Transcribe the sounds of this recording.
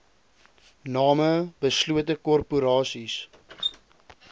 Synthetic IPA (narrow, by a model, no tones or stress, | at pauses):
nɑːməbəsluətəkɔrpuɾɑːsis